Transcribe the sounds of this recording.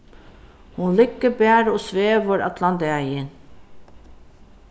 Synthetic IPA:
hʊnlɪkːəbæːɾoːsʋeːʋəɾɑ̰t̪ʰlɑnt̪eæjɪn

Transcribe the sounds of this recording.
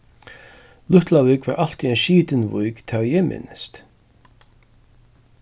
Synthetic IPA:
lʊht̪lavɪːkva̰ːɹʔal̥t̪iɛnʃiːt̪ɪnvṵjkt̪ʰawjɛmʔɪ̰nst̪

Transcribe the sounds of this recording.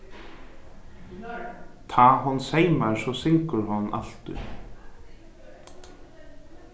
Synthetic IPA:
t̪ʰaːɦɔnːseːjmaɹsɔsɪŋkʏɾhɔnːa̰l̥t̪ʏ̰

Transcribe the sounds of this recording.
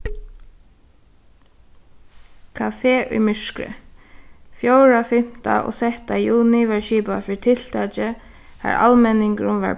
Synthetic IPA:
kʰafeːʔʊ̰jmʏʂkɾɪ̰ | fjowɹafɪm̥t̪a̰ʔɔ̰sɛht̪ajuːnɪʋɛɹʃiːpafɪt̪ʰɪl̥t̪at͡ʃɪ | ha̰ɹa̰lmɛnɪŋkɾʊmʋɛ̰ɹ

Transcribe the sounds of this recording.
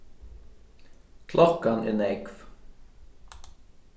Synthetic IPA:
kʰlʔɔkanɛ̰nɛkv

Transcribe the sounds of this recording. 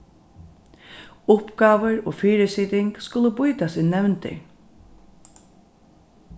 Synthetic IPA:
ʊpɡaːʋəɾo̰ːfiːɾɪsiːt̪ɪŋkskʊləbʊjt̪asɪnɛwnt̪ɪ̰

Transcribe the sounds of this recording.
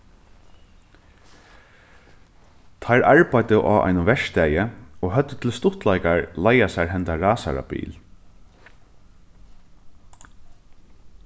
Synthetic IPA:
t̪ʰajɾʔaɹpajt̪əʔa̰ːʔa̰jnʊvɛʂt̪æːjəɔːɦœt̪ːət̪ʰɪlst̪ʊht̪lajkaɹlajasaɹɦɛnt̪aɹaːsa̰ɾa̰pḭːl

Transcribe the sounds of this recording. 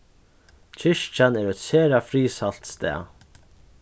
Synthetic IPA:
t͡ʃʰɪʂt͡ʃanɛɾɛt̪seːɾafɾiːsal̥t̪st̪ɛ̰ː

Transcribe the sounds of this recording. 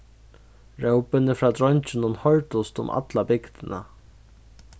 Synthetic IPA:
ɾɛwpɪnəfɾaːd̪ɾɔɲt͡ʃɪnʊnhɔɻt̪ʊst̪ʊ̰mʔa̰t̪labɪkt̪ɪna̰

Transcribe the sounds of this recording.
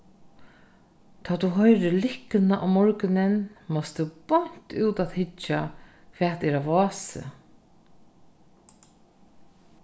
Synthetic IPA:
t̪ʰaːt̪uɦɔjɾɪlɪknaʔa̰wmɔɹkɪnɪnmɔst̪əpɔɲ̥t̪uwt̪aːðhɪt͡ʃːa | kʰvɛːt̪ɛɾavɔːsɪ̰

